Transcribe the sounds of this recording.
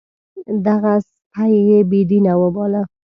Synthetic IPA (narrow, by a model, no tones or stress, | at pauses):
d̪aɣas | pʰajjebid̪inawəbɔla